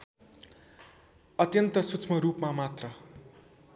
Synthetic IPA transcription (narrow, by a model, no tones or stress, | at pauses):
ʌt̪jʌnt̪ʌsut͡sʰmʌɾupmamat̪rʌ